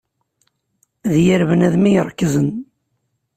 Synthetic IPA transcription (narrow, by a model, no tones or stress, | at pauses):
ðjəɾvənæðmijɾˤkːəzən